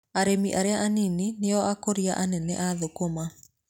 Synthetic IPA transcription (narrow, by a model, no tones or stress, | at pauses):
aɾemiʔaɾeaʔanininejɔʔakoɾiaʔanɛnɛ̰ʔaðokoma